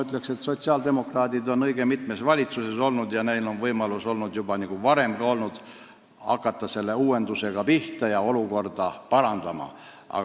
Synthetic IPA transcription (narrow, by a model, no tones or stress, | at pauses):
yt̪ːˑle̞kset̪so̞t̪siɑːld̪e̞mo̞krɑːd̪ʲid̪o̞nɤ̞jɡ̥emit̪mesvɑlʲit̪suse̞so̞lnud̪jɑne̞jlo̞nvɤjmɑluso̞lnud̪jubɑniɡ̥uvɑɾe̞mɡ̥ɑo̞lnud̪̥ | ɑ̰kːˑɑt̪ːˑɑse̞lːe̞uːe̞nd̪use̞ɡ̥ɑpiht̪ɑjɑo̞luko̞rd̪̥ɑpɑɾɑnd̪̥ɑmɑ̰ɑ̰ɡ